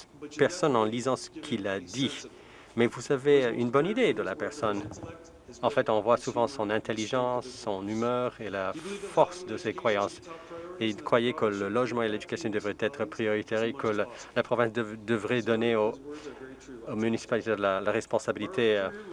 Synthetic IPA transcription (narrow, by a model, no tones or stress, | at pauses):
pɛʁsɔnɑ̃lizɑ̃sə̥kʰilad̪i | mɛvusaveynbɔnid̪ed̪əlapɛʁsɔn | ɑ̃fɛt̪ɔ̃vwasuvɑ̃sɔ̃nɛ̃t̪eliʒɑ̃sːɔ̃nymœʁelafɔʁsd̪əsekχwajɑ̃seilkχwajekələlɔʒmɑ̃eled̪ykasjɔ̃d̪əvʁɛt̪ɛt̪χəpχijɔʁit̪eʁekəl | lapχɔvɛ̃sd̪əd̪əvʁɛd̪ɔneo | omynisi̥palit̪elalaʁɛspɔ̃sabilit̪ʰe